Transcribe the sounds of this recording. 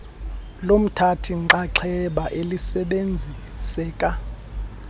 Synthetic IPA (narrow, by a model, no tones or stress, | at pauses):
lom̩tʰatʰiŋ͡ǃaǃʰɛɓaʔelisɛɓend͡zʱi | sɛːkʼa